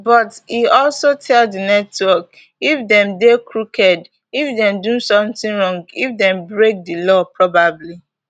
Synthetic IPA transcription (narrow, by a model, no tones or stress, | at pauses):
bɔthiɔlsotʰɛldinɛtwɔk | ifdɛ̃mdekʰɹukɛd | ifdɛ̃mdũsɔ̃mtĩnɹɔ̃ŋɡifdɛ̃mbɹek̚dilɔpɹɔbabli